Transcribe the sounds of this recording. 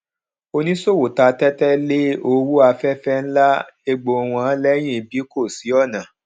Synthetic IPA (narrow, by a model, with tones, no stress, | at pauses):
o˧nĩ˦so˦˨wo˨ta˧tɛ˦tɛ˦le˦o˧wu˦a˧fɛ˦fɛ˦˧n̩˦la˦ | e˧ɡ͡bo˧˨˧w̃ɔ̃˧˦lɛ˦j̃ĩ˦˨bi˨˦ko˦˨si˨˦ɔ˦˨nã˨